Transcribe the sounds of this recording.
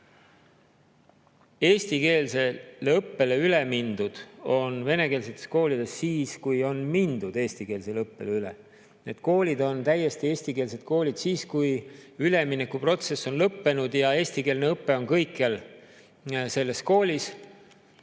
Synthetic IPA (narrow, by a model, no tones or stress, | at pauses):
e̞ːsʲt̪ike̞ːlse̞lɤpːe̞le̞yle̞mind̪̥ud̪̥o̞nve̞ne̞ke̞ːls̬et̪ːˑesko̞ːlid̪̥e̞sːiːskujo̞nmind̪ud̪̥e̞ːsʲt̪ikeːlse̞lɤpːe̞leylḛ | ne̞d̪̥ko̞ːlʲid̪o̞nt̪æje̞st̪ieːsʲt̪ike̞ːlse̞d̪̥̚ko̞ːlʲid̪̥siːskujyle̞minːekːˑupro̞t̪se̞sːo̞nlɤpːe̞nud̪̥jɑe̞ːsʲt̪ike̞ːlneɤpːe̞o̞nkɤjkːel | se̞lːe̞sko̞ːlʲis